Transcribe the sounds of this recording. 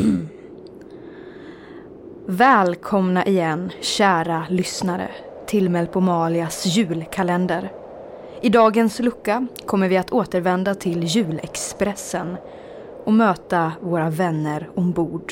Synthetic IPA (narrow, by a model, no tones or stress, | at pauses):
vɛːlkʰɔmnaʔɪjɛnːɕæːɾalʏsnaɾə̰ | t̪ʰɪlmɛlpʰɔmɑːlɪasjʉ̟ːlkʰalɛnd̪əɾ | ɪd̪ɑːɡənslɵkːakʰɔmːəɾvɪat̪ʰoːt̪əɾvɛnd̪at̪ʰɪljʉ̟ːlɛkspɾɛsːən | ʔɔmøːt̪avoːɾavɛnːəɾɔmbuːɖ